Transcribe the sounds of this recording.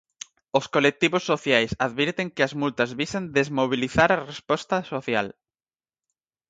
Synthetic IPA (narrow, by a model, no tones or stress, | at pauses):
oskolek̚t̪iβosːoθjajsaðβiɾt̪eŋkɪɐzmult̪ɐzβisɐnd̪ezmoβ̞iliθaɾɐrespɔst̪ɐsoθja̰l